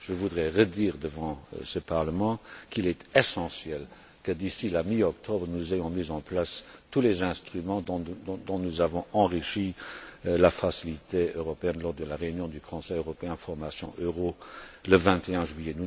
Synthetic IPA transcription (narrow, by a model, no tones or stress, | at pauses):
ʒ̥əvud̪ʁɛʁəd̪iːʁd̪əvɑ̰̃səpaʁləmɑ̃kʰilɛt̪ɛsɑ̃sjɛl | kəd̪isilamiɔkt̪ʰɔbʁənuzejɔ̃mizɑ̃plast̪ulɛzɛ̃st̪χymɑ̃ɔ̃d̪ɔ̃nuzavɔ̃ɑ̃ʁiʃi | lafasilit̪ʰeøʁɔpeɛnlɔʁd̪əlaʁeynjɔ̃d̪ykʰɔ̃sɛjøʁɔpeɛ̃d̪əfɔʁmasjɔ̰̃ʔøʁoləvɛ̃t̪ʰeɛ̃ʒɥyjɛnu